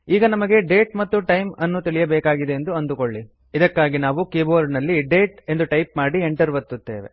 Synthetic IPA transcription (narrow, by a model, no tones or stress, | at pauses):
iːɡɐnɐmɐɡe̞ɖe̞ːʈmɐt̪ːuʈɐjmɐnːut̪iɭijɐbɛːkaːɡid̪e̞end̪uɐnd̪ukoɭːi | id̪ɐkːaːɡinaːʋukeːboːɾnɐlːiɖe̞ːʈe̞nd̪uʈɐjpmaːɽieɳʈɐɾʋɐt̪ːut̪ːe̞ːʋḛ